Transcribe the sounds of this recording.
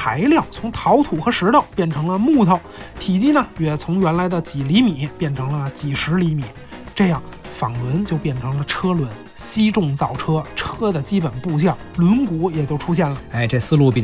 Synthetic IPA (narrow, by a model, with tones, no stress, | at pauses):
p̪ʰa˧˥ɪljɑ˥˩ʊt͡sʰʊ˧˥ŋt̪ʰɑ˧˥ʊt̪ʰu˨˩xɤ˧˥ʂɻ̩˧˥t̪ɑ˥˧˩ʊpjɛ˥˩nʈ͡ʂʰɤ˧˥ŋlə˧mu˥˧t̪ʰɑ˧˩ʊt̪ʰi˨˩t͡ɕi˥nə˧ɥɛ˧˨˩t͡sʰʊ˧˥ŋɥɛ˧˥nla˧˥ɪd̪ə˧t͡ɕi˨˩li˧˥mi˨˩˦pjɛ˥˩nʈ͡ʂʰɤ˧˥ŋlə˧t͡ɕi˨˩ʂɻ̩˧˥li˧˥mi˨˩˦ | ʈ͡ʂɤ˥˧jɑ˥˩ŋfɑ˨˩ŋlwə˧˥nt͡ɕjo˥˧ʊpjɛ˥˩nʈ͡ʂʰɤ˧˥ŋlə˧ʈ͡ʂʰɤ˥lwə˧˥n | ɕi˥ʈ͡ʂʊ˥˧ŋt͡sɑ˥˩ʊʈ͡ʂʰɤ˥ʈ͡ʂʰɤ˥d̪ə˨t͡ɕi˥pə˨˩npu˥˧ɕ̬jɑ˥˩ŋlwə˧˥nku˧˥jɛ˨˩t͡ɕjo˥˧ʊʈ͡ʂʰu˥ɕ̬jɛ˥˩nlə˩e˥ɪʈ͡ʂɤ˥˧˩sɹ̩˥˧lu˥˩pi˨˩